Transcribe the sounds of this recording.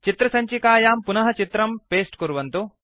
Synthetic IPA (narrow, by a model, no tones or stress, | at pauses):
t͡ʃit̪ɾɐsɐɲt͡ʃikaːjaːmpunɐɦɐt͡ʃit̪ɾɐmpeːsʈkuɾuʋɐnt̪u